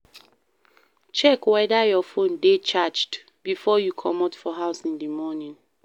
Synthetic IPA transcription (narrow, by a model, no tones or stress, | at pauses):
t͡ʃɛkwɛdajɔfõndet͡ʃad͡ʒd | bifɔjukʰɔmatfɔɦaʊsĩndimɔnĩn